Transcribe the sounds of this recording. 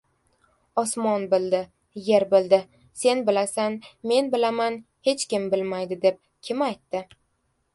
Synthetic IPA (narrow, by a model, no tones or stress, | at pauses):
ɒsmɒnbɪld̪ɪ | je̞ɾbɪld̪ɪ | se̞nbɪlasanme̞nbɪlaman | he̞t͡ʃkʲɪmbɪlmajd̪ɪd̪e̞p̚ | kʲʰɪmajt̪ːɪ